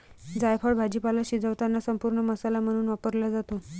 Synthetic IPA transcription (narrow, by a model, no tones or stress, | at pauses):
d͡zajpʰəɽbʱad͡ʑipalaɕid͡zəʋt̪anːasəmpuɾɳəməsalam̤əɽ̃uːnʋapəɾlad͡zat̪o